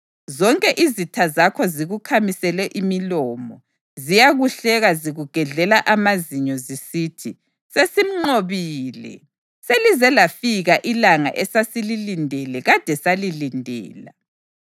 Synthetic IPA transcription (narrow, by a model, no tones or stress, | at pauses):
zɔŋkʼɛʔizitʰazakʰɔziɣukʰamisɛlɛʔimilɔmɔ | zijaɣuɬɛɣaziɣuɡ̥ʱɛɮɛlaʔamaziɲɔzisiːtʰi | sesim̩ŋ͡ǃoβiːlɛ̰ | selizɛlafiɣaʔilaŋa̰ʔɛsasililindʱɛlɛɣad̥ʱɛsalilindʱɛ̰ːla